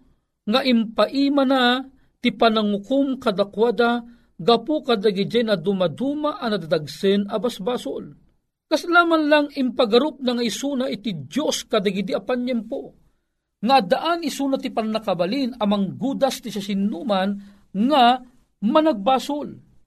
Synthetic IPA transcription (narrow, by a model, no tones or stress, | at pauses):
ŋaʔimpaʔiːmana | t̪ipanaŋʊkʊmkad̪akwad̪a | ɡapukad̪aɡid͡ʒɛjnad̪umad̪umaʔɐnɐd̪ad̪aɡsɨnabasbaːsʊl | kaslaːmanlaŋɪmpaɡaɾʊp̚naŋaisunaʔit̪idjoskad̪aɡɪd̪iapanjɛmpo | ŋaːd̪aʔanisunat̪ipanɐkabalinɐmaŋɡuːd̪ast̪isasɪnːuman | ŋa | mɐnaɡ̚baːsʊl